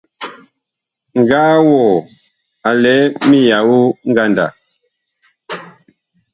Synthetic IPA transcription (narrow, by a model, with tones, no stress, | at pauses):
ŋ˨ɡaː˦wɔː˨ | a˨lɛ˨˦mi˦ja˨wu˦ŋ̩˦ɡa˦˨nda̰˨